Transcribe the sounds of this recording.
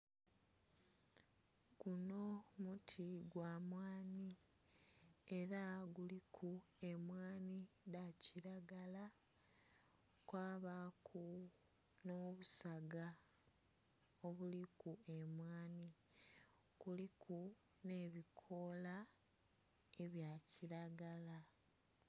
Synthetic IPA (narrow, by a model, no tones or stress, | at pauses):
kuno̞mutʰiɡwaːmwaːni | e̞ɾaɡulikʰue̞mwaːnidaciɾaɡala | kwaːβakʰu | noβusaɡa | o̞βulikue̞mwaːni | kulikʰu | ne̞ːβikʰo̞la | e̞βjaciɾaɡala